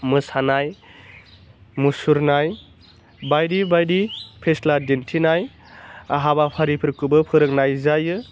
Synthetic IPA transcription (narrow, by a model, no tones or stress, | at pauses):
mɯsanaj | musuɾnaj | bajɾibajɾipʰesladentʰinaj | aɦabapʰaɾipʰɯɾkubɯpʰɯɾɯk̚najzajɯ